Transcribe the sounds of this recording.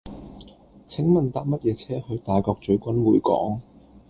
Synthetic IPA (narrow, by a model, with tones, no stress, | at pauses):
t͡sʰɪ˨˥ŋmɐ˨nt̪aː˧p̚mɐ˥t̚jɛː˨˧t͡sʰɛː˥hɵ˧ɥt̪aː˨jkɔː˧k̚t͡ʃɵ˨˥ɥkʷɐ˥nwuː˨˥jkɔ̰ː˨˥ŋ